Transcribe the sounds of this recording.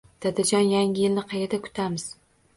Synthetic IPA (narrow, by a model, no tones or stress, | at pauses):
d̪̥ad̪ad͡ʒɒnjaŋʲɪjɪlnɪqʰɑjed̪akʰʊ̥t̪ʰamɪz̥